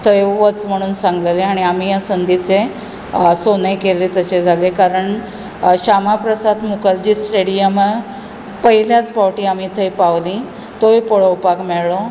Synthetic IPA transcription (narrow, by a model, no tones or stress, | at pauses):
t̪ʰəjʋət͡sm̤əɽ̃uːnsãŋɡleleaɽ̃iamijasənd̪it͡se | sonəjkelet̪əɕed͡zʱalekaɾəɳ | ɕamapɾəsad̪mukəɾd͡ʑiːsʈeɽijəmə | pəɦiljat͡spaʋʈiamit̪ʰəjpaʋlĩ | t̪ojpoɽəwpakmeɭɭo